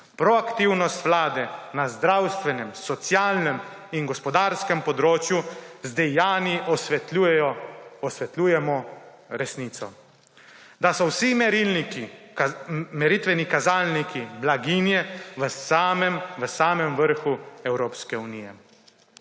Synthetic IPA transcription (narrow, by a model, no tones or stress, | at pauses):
pɾɔakt̪iwnɔst̪ʋlaːd̪ɛnazd̪ɾawst̪ʋɛnɛmsɔt̪sjaːlnɛm | inɡɔspɔd̪aːɾskɛmpɔd̪ɾoːt͡ʃjuzd̪ɛjaːniʔɔsɛt̪uɛjɔɔsʋɛt̪luːjɛmɔ | ɾɛsniːt̪sɔ | d̪asɔwsimɛɾilniki | mɛɾit̪ʋɛnikazaːlnikiblaɡiːnjɛʋəsamɛmʋəsaːmɛmʋəɾxuɛwɾoːpskɛunijɛ̰